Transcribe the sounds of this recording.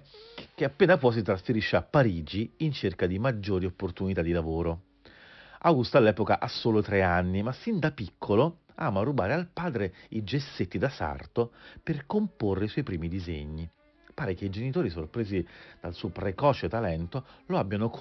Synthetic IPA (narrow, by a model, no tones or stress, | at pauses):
k̟eapːeːnapwɔjs̬it̪ɾasfeɾiʃːeapːaɾiːd͡ʒiːnt͡ʃerkad̪imad͡ʒːoːɾiopːort̪unit̪ad̪ilavoːɾo | awɡust̪alːɛːpokaʔasːoːlot̪ɾeanːimasːind̪apikʰːolo | a̰ːmarːubaːɾealpaːd̪ɾeid͡ʒesːet̪ːid̪asa̰rt̪operkomporːeiswɔjpɾiːmid̪izḛɲːi | paːɾek̟eid͡ʒenit̪oːɾisorpɾeːzid̪̥alsuːopɾekɔːt͡ʃet̪alɛnt̪oloabːjanok